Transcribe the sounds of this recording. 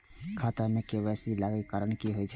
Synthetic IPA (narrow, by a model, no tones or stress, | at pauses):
kʰat̪amẽkeʋɛsilaɡekaɾəɳkiɦojt͡ʃʰ